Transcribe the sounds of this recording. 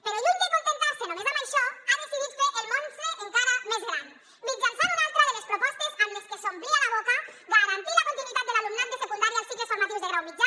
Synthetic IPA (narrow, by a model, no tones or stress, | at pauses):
peɾoluŋk̪ekont̪ent̪asenomeβamajʃɔaðesiðit̪seʔelmõnseʔeŋkaɾamezðelan | mid͡ʒansanoðalt̪ɾaðelespɾopɔst̪ezamleskesomblialaβɔkaɡaɣɾant̪ilakont̪inwit̪at̪̚elalumnant̪esekund̪aɾjalsik̪lesfoɾmat̪iwzðeɣɾawlid͡ʒa